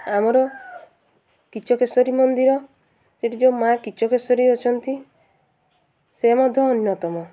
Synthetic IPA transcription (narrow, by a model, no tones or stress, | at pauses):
amɔɾɔ | kit͡ʃʰɔkʰesɔɾimɔnd̪iɾɔ | seʈid͡ʒomakit͡ʃʰɔkesɔɾiɔt͡ʃʰɔnt̪i | semɔd̪ʱjɔːnjɔt̪ɔmɔ